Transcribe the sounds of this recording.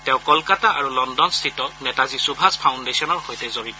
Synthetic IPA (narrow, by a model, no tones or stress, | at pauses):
tɛʊ̃kɔlkataʔaɹulɔndɔnstʰitɔnɛtazisubʱaspʰawndesiɔnɔɹhojtɛzobit